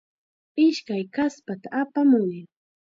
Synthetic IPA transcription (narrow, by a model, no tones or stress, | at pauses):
ɪʃkajkaspat̪aʔapamʊjɪŋ